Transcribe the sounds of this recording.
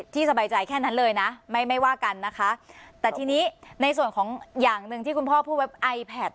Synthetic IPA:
t̪ʰiː˥˩sa˧baː˧jt͡ɕa˧jkʰɛː˥˩na˦˥nlɤː˧jna˦˥ma˥˩jma˥˩jwaː˥˩ka˧nːa˦˥kʰa˦˥ʔt̪ɛː˨˩t̪ʰiː˧niː˦˥na˧jsu˨˩ənkʰɔː˩˦ŋjaː˨˩ŋnɯ˧ŋt̪ʰiː˥˩ku˧npʰɔː˥˩pʰuː˥˩we˦˥p̚ʔa˧jpʰɛː˨˩t̪̚

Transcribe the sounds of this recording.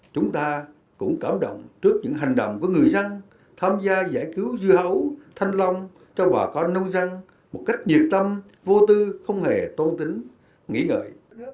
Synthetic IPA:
t͡ɕʊ˨˦ŋ͡mt̪aː˧ | kʊ̰˧˥ŋ͡mkaː˧˩mɗo̰˧˨wŋ͡mt͡ɕɨ˦˥ək̚ɲɨ̰˧˥ŋɦa˨˩ŋ̟ɗə̰˧˨wŋ͡mku˧˩əŋɨ˨˩əjzə˧ŋ | t̪ʰaː˧mzaː˧za̰ː˧˩jki˨˦wzɨ˧əɦə˧˦wt̪ʰa˧jŋ̟la˧wŋ͡m | t͡ɕɔ˧ɓaː˨˩kɔ˧nːə˧wŋ͡mza˧ŋ | mo˨˩t̚ka˦˥jk̟̚ɲi˨˩ət̚t̪ə˧m | vo˧t̪ɨ˧xə˧wŋ͡mhe˨˩t̪woː˧nt̪ï˨˦ŋ̟ | ŋḭ˧˥ŋə̰ː˧˨j

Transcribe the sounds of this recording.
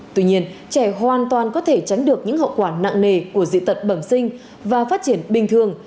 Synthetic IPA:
t̪wi˧ɲi˧ənt͡ɕɛ˧˩ɦwaː˨˩nt̪waː˨˩nkɔ˨˦t̪ʰe˧˩t͡ɕa˨˦jŋ̟ɗɨ˨˩ək̚ɲɨ̰˧˥ŋhə̰˧˨wkwaː˧˩na̰˧˨ŋne˨˩ku˧˩əzḭ˧˨t̪ʰə˨˩t̚ɓə˧˩msï˧ŋ̟ | vaː˨˩faː˦˥t̚t͡ɕi˧˩ənɓï˧ŋt̪ʰɨ˨˩əŋ

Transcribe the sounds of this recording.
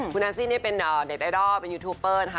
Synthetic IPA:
uː˧naː˧nsiː˥˩ni˦˥ɐ˨pe˧nʔaː˨˩ne˨˩t̪̚ʔaː˧jdɔː˥˩pe˧njuː˧t̪ʰuː˧˩pːɤː˥˩nʰ˧˩a˦

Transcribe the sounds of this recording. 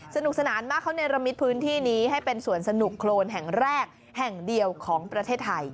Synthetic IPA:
sa˧nu˨˩k̚sa˧naː˩˦nmaː˥˩kʰːa˥˩wna˧jɾa˧mi˦˥t̪̚pʰɯː˦˥nt̪ʰiː˥˩niː˦˥ɦa˥˩jpe˧nsu˨˩ənsa˧nu˨˩kʰːloː˧nɦɛ˨˩ŋɾɛː˥˩k̚ | hɛ˨˩ŋdi˧əwkʰɔː˩˦ŋpɾa˧t̪ʰeː˥˩t̪ʰːa˧j

